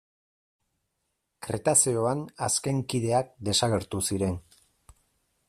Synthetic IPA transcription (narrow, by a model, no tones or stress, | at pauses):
kɾe̞̰t̪asioanaske̞ŋkið̞e̞ak̚d̪e̞saɣe̞ɾt̪usiɾe̞n